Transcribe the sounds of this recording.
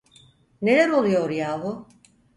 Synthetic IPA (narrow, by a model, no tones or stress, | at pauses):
ne̞lʲæɾo̞lˠujo̞ɾjaːɦu